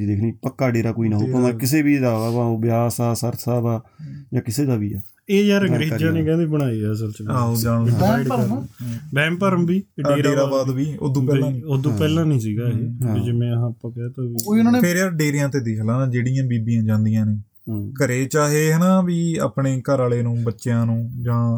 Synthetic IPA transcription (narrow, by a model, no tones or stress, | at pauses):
d̪ekʰniːpəkːaːɖeːɾaːkoːiːnaːɦoːkːd̪aːkɪseːbiːd̪aːpãːoːbjaːsaːsəɾt̪ʰsaːd̪aːjãːkɪseːd̪aːbḭːaː | eːjaːɾəɡɾeːd͡ʒãːnẽːkɛ̃ːd̪iːbəɽ̃aːiːɛəs̬əlt͡ʃaːod͡ʒaːɽ̃ɛ̃ːpəɾmbɛ̃ːmpəɾəmbiːɖeːɖeːɾaːbaːʋiːo̰ːd̪ũpɛːãːnĩːod̪ũːpɛːlãːnĩːsiːɡaːɦeːɪd͡ʒɪmẽːɦãːəpãːkːt̪ãːiːoːiːʊnaːneːpʰɪɾjaːɾɖeːɾɪjãːt̪eːd̪ɪkʰlãːnãːd͡ʒeːɽɪjãːbiːbijãːd͡ʒãːnd̪ijãːnẽː | kəɾeːt͡ʃaːɦeːɦɛːnãːʋiːa̰ːpɳeːkəɾaːleːnũːbətːʃjãːnũːd͡ʒãː